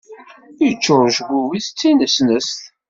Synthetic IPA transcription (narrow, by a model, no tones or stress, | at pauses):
jət͡ʃːʊɾˤʒɡʷuwiθt͡sːinəsnəsθ